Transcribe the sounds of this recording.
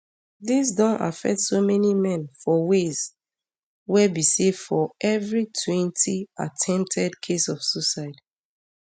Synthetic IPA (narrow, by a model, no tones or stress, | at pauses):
ðis̬dɔ̃nʔa̰fɛ̰k̚tsomɛnimɛ̃nfɔwez | wɛbisefɔʔɛvɹitʰwɛ̃ntia̰tʰɛ̃mp̚tʰɛdkʰesɔfsusaɪd